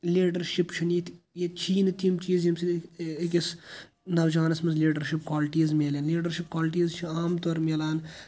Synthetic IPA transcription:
liːɖɐɾʃipt͡ʃʰuniːt̪ʰ | jet͡ʃʰiːnt̪ʰimt͡ʃiːzjimsiikʲis | nɐʋd͡ʒaːnɐsmɐzliːɖɐɾʃip̚kaːlʈiːzmʲelenliːɖɐɾʃip̚kaːlʈiːzt͡ʃʰiaːmt̪oɾmʲelaːn

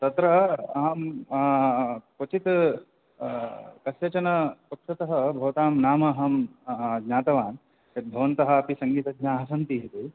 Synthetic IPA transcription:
t̪ɐt̪ɾɐɐɦɐm | pot͡ʃit̪ | kɐsjɐt͡ʃɐnɐpɐkʂɐt̪ɐɦɐbʱɐʋɐt̪aːmnaːmɐːɦɐmɡɲaːt̪ɐʋaːn | jɐt̪̚bʱɐʋɐnt̪ɐɦɐ̆ːpisɐŋɡiːt̪ɐɡɲaːɦɐsɐnt̪iɦɐt̪i

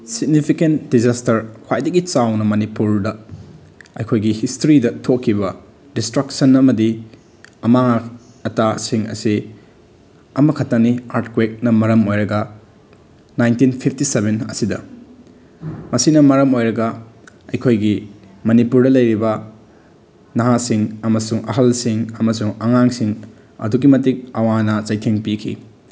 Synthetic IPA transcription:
siɡnipʰikentdizastɐɾkʰwajdɐɡit͡ʃawnɐmɐnipuɾdɐ | ɐjkʰojɡihistɾidɐtʰokʰːiβɐ | distɾɐksɐnɐmɐdi | ɐmaŋa | ɐtasiŋɐ̰si | ɐmɐkʰɐtːɐniaɾtkwek̚nɐmɐɾɐmojɾɐɡɐ | najntinpʰip̚ʰtisebenɐ̰sidɐ̰ | mɐsinɐmɐɾɐmojɾɐɡɐ | ɐ̰jkʰojɡi | mɐnipuɾdɐlɐjɾibɐ | nɐɦasiŋɐmɐsuŋɐ̰ɦɐlsiŋɐmɐsuŋɐŋaŋsiŋ | ɐ̰duɡimɐtik̚ɐwanɐt͡ʃɐjtʰeŋpikʰḭ

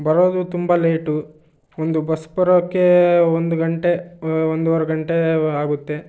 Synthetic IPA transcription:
bɐɾoːd̪ut̪umbɐleːʈu | ond̪ubɐspɐɾɐkːeond̪uɡɐɳʈe̞ond̪uʋɐɾɐɡɐɳʈe̞aːɡut̪ːe̞

